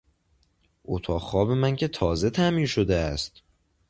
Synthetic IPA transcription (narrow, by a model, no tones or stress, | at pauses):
ʔot̪ʰɒːχɒːbe̞mæncʲʰe̞t̪ʰɒːze̞t̪ʰæmiːnʃod̪eæst̪